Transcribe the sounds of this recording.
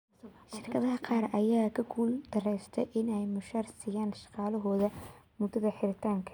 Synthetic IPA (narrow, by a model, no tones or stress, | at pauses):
ʃɪrkʰɐðɐɦɐqɑːrɐjaːkʰɐɡʰuːld̪̥ɐrɛjst̪ʰɛjʔɪnɛjmʊʃɐrsɪjaːnʃɑ̥qɑːlɐɦɔːðɐ | mʊd̪ɐðɐħɪɾɪt̪ʰaːŋkʰɐ̥